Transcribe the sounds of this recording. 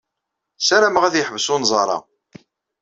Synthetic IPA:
sæɾæməʁæðjəħəvəsʊnzˤɑɾˤɑ̰

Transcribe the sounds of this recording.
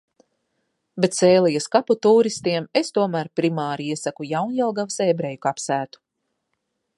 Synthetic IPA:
bet̪sɛːlˠijaskaput̪uːɾist̪iɛmest̪uɔmæɾpɾimaːɾiiɛsakujawnjɛlˠɡavseːbɾejukapsæːt̪u̥

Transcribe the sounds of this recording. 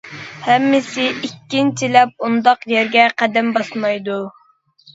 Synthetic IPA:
hɛmːɪsɪikʲːint͡ʃʰilɛp̚und̪ɑqjɛɾɡʲɛqʰæd̪ɛmbɑsmɑjd̪u

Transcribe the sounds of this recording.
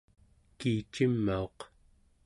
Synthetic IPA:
kiːt͡ʃimːao̞q

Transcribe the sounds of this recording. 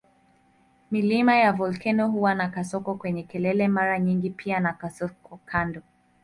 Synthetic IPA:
milimajavɔlkɛnɔhuwanakasɔkɔkwɛɲɛkɛlɛlɛmaɾaɲiŋɡipʰianakasɔkɔkʰandɔ

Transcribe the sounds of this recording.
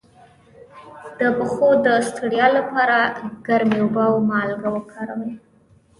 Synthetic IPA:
d̪̥əbəxod̪əst̪aɽjɑlapɑɾaɡ̥aɾmeubawmɑlɡawəkʰaɾəwe

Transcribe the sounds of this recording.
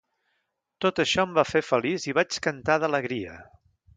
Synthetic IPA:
t̪ot̪əʃɔəmbafefəliziβat͡ʃkənt̪aðələɣɾiə̰

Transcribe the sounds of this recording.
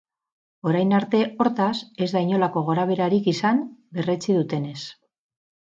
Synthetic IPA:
o̞ɾajnaɾt̪e̞o̞ɾt̪ase̞zðaiɲo̞lako̞ɣ̞o̞ɾaβ̞e̞ɾaɾikisambe̞re̞t͡sið̞ut̪e̞ne̞s

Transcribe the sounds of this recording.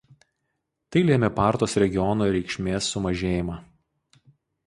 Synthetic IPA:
t̪ɐɪlʲeːmʲɛpɑˑɾt̪oːsɾʲɛɡʲɪjɔnoːɾʲɛɪkʃʲmʲeːsːʊmɐʒʲeːjɪmɑː

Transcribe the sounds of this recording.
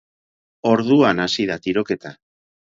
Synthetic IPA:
o̞ɾðuanasiðat̪iɾo̞ke̞t̪a

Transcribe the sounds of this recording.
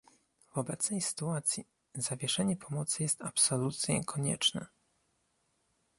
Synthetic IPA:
vɔbɛt̪snɛjsɘ̥t̪uat̪sʲji | zavʲjɛʂɛɲɛpʰɔmɔt̪sɘjɛst̪apsɔlut̪sjɛ̰kʰɔɲɛ̰t͡ʂnɛ̰

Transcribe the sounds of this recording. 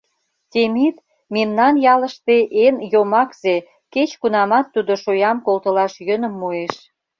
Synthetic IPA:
t̪ʲemit̪ | memnɑnjɑləʃt̪eʔenjomɑkz̥e | ket͡ɕkunɑmɑt̪ːud̪oʃojɑmkolt̪ə̆lɑʃjønə̆mːueʃ

